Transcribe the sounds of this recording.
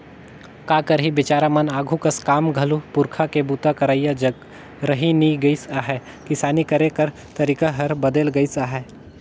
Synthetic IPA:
kaːkəɾɦibɪt͡ʃaːɾamɐnaːɡʱukɐskaːmɡʱɐlupʊɾkʰakebuːt̪akɐɾaːijad͡ʒɐɡ | ɾɐɦiniɡəisaːɦɛ | kɪsaːnikɐɾẽkəɾ | t̪ɐɾiːkaɦɐɾbɐd̪əlɡɐisaːɦɛː

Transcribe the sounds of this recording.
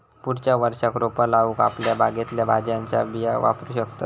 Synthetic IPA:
puɽt͡ɕjaʋəɾʂakɾopəlaʋuːka̰pljabaɡet̪ljabad͡ʑjaɲt͡ɕa̰bijaʋa̰pɾuːɕəkt̪at̪

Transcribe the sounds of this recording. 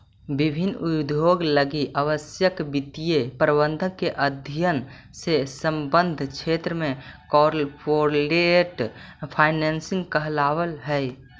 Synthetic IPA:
bibʱinːud̪ʱjoɡləɡiʔəʋəsjəkbit̪ijepɾəbənd̪ʱəkeʔəd̪ʱjən | sesə̃mbə̃nd̪ʱkʰet̪ɾəmẽkɔɾlpʰoɾleʈpʰaɪnɛnsĩŋɡkəɦlaʋəlɦəj

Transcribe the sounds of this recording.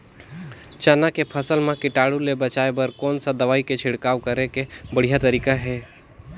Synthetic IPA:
t͡ʃanakepʰəsəlmãkɪʈaːɽulebɐt͡ʃaːebəɾkɔːnsad̪ɐʋaːiket͡ʃʰɪɽkaːwkəɾekebəɽ̤ijat̪ɐɾiːkaɦɛː

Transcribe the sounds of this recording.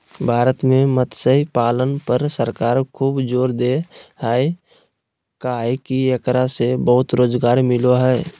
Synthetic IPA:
bʱaːɾət̪mẽmət̪səipaːlənpəɾsəɾkaːɾkʰuːbd͡ʒoːɾd̪eɦae | kaɛkijəkɾasebəɦʊt̪ɾoːzɡaːɾmɪloɦɛː

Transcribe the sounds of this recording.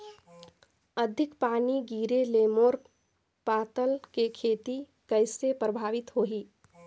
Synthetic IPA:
əd̪ʱɪkpaːniɡiːɾeleːmoːɾ | paːt̪əlkekʰeːt̪i | kəɪsepɾəbʱaːʋɪt̪ɦoːɦiː

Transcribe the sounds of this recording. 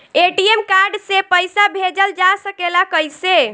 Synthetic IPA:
eʈiemkaɾɖsepəjsabʱed͡ʒəld͡ʒasəkelakəjse

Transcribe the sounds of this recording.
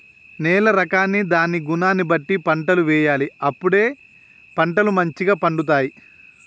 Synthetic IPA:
nɛːlɐɾɐkaːnːid̪aːniɡunaːnːibɐʈːipɐɳʈɐluʋɛːjaːliɐpːuɽe̞ː | pɐɳʈɐlumɐɲt͡ʃiɡaːpɐɳɖut̪̬aːji

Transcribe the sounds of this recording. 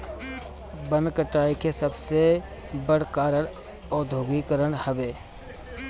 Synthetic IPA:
bə̃nkəʈaːikesɐbse | bəɽ̤kaːɾəɽ | ɔːɾd̪ʱoːɡikəɾəɽhɐʋeː

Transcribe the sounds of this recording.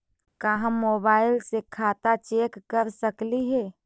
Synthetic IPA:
kaɦãmoːbaːɪlsekʰaːt̪at͡ʃeːkːəɾsəkliɦɛː

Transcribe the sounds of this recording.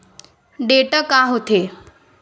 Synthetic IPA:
ɖeʈakaɦot̪e

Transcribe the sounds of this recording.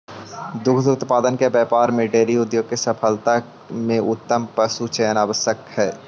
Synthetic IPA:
d̪ʊkʰd̪ʊt̪paːd̪ənkebjɛːpaːɾmẽɖeːɾiʊd̪joːɡ̚kesəpʰəlt̪a | mẽʔʊt̪ːəmpəsut͡ʃəjənaːʋəsjəkhɛː

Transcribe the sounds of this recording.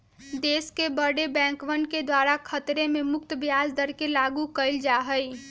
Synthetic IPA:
d̪eskebəɽebɛ̃ŋkʋənked̪waɾakʰət̪ɾememʊk̚t̪əbjazd̪əɾkelaɡukəɪld͡ʒaɦəj

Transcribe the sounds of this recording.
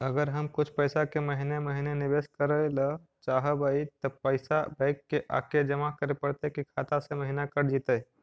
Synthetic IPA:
əɡəɾɦəmkʊt͡ʃʰpəɪsakeməɦineməɦinenɪbeːskəɾələ | t͡ʃaːɦəbəit̪ɔpəɪsabaɪkːeʔa̰ːked͡ʒəmakəɾepəɽt̪ekikʰat̪aseməɦinakəɾd͡ʒit̪ə

